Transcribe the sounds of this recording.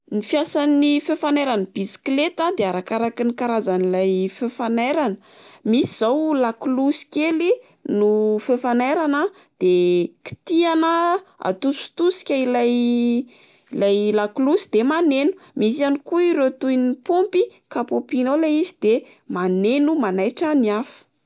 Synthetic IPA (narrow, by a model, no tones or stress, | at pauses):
nifjasanifefanajɾanəb̥isi̥klet̪ad̪eaɾakaɾakinikaɾazanilajfefanajɾanə | misiz̥awlaklusi̥keli | nufefanaɾanə | d̪̥eki̥t̪ianəa̰t̪usu̥t̪usi̥kʲailaj | ilajlakulusi̥d̪emanenu̥mis̬ianikuiɾot̪ujnipompikapopinolaizid̪̥e | manenumanajʈ͡ʂaniafu̥